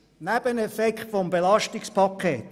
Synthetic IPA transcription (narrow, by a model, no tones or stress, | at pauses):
næb̥ənɛfɛkχtfɔmbelɑʃtɪkspʰɑkʰeːt